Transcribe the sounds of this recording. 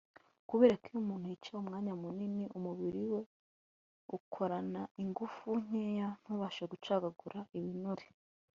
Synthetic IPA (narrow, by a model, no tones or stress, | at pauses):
kuβe̞ːɾakijumuːn̥ujit͡ʃaumŋaːɲamuniniʔumuβiɾiwe̞ | ukʰo̞ɾanaʔiŋɡufuɲ̥eːjan̥huːβaːʃeɡut͡ʃaːɡaɡuɾaʔiβinuɾe̥